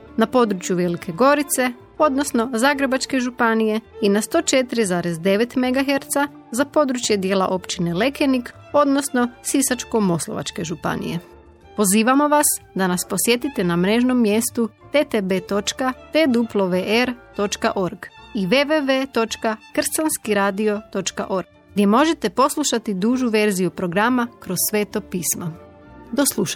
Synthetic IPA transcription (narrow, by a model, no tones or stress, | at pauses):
napo̞d̪ɾut͡ʃjuʋe̞likʰe̞ɡo̞ɾit̪se̞ | o̞d̪no̞sno̞zaːɡɾe̞bat͡ʃke̞ʒupanije̞inast̪o̞ːt͡ʃe̞t̪iɾizaːɾe̞zd̪e̞ʋe̞t̪me̞ɡaɦe̞ɾt̪sa | zapo̞d̪ɾut͡ʃje̞d̪je̞ːla̰ʔo̞pt͡ʃine̞le̞ke̞nik | o̞d̪nosno̞sisat͡ʃkomo̞slˠo̞̰ʋa̰t͡ʃke̞ʒupa̰nḭje̞̰ | po̞ziːʋamo̞ʋasd̪anaspo̞sje̞t̪it̪e̞namɾe̞ʒno̞mːje̞st̪u | t̪et̪ebe̞ːt̪o̞t͡ʃkat̪ed̪uplˠoʋeʔeɾt̪o̞t͡ʃkaʔo̞ɾɡiʋeʋeʋe̞t̪o̞t͡ʃkakr̩sanskiɾaːd̪io̞t̪o̞t͡ʃka̰ʔo̞ɾɡ | ɡd̪je̞mo̞ʒe̞t̪e̞po̞slˠuʃat̪id̪uːʒuʋe̞ɾzijupɾo̞ɡɾamakɾo̞ssʋeːt̪o̞piːsma | d̪o̞slˠuʃa